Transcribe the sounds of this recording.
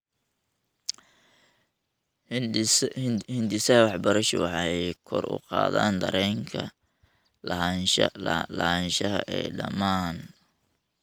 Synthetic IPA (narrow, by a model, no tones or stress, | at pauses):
hɪnd̪ɪsɐhɐwɑħbɐɾɐʃwɑħɑɛjkʰɔrʊ̰qɑ̰ːðaːnd̪ɐɾɛːŋkʰɐ | lɐɦɐnʃlɐhɐnʃɐɦɐ̰ʔɛːɖɐmaːn